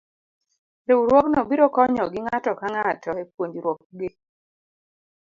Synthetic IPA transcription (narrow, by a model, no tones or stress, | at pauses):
ɾewuɾwɔknɔbiɾɔkɔɲɔɡɪŋatɔkaŋatʰɔekwoɲd͡ʒiɾwɔk̚ɡɪ